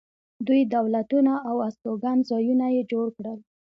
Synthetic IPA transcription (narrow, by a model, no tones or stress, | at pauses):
d̪ujd̪awlat̪unaːwast̪oɡanzɑjunajed͡ʒoɽkɽəl